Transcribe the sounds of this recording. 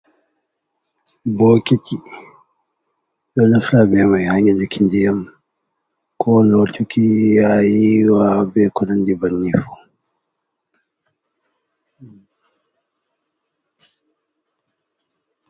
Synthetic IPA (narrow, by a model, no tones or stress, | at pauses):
bɔkiti | ɗɔnafɾabɛmajhaɲad͡ʒukindijam | kʰɔlɔtukijajiwabɛkɔnandibanːifɔ